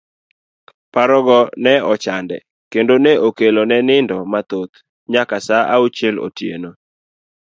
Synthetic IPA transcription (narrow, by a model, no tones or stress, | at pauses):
paɾɔɡɔnɛɔt͡ʃandɛ̰ | kendoneʔokelonɛnɪndɔmat̪ot̪ | ɲakasaʔaut͡ʃelo̰tjḛno